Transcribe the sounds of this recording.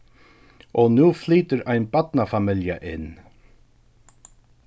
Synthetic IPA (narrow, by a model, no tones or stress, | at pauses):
ʔɔnuːfliːt̪əɾajnbat̪nafamɪlja̰ʔɪnː